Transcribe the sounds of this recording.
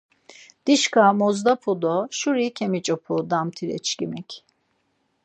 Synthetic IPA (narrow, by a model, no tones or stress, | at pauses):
d̪̥iʃkamozd̪apʰud̪oʃuɾicʲʰemit͡ʃʼopʰud̪amt̪ʰiɾɛ̰t͡ʃʰcimɛcʰ